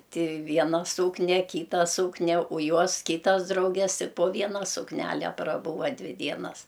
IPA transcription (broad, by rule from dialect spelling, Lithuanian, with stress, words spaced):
ˈtʲɪ ˈʋʲiɛnɐ ˈsuːknʲɛ ˈkʲiːtɐ ˈsuːknʲɛ oː ˈjuɔs ˈkʲiːtɐs ˈdrɐʊɡʲɛs ˈtʲɪ poː ˈʋʲiɛnɐ sʊkˈnʲælʲɛ prɐˈbuːʋɐ ˈdʲʋʲɪ ˈdʲiɛnɐs